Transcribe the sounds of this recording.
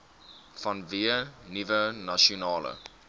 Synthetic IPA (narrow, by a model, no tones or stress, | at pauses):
fɐnviənivənaʃonɑːlə̰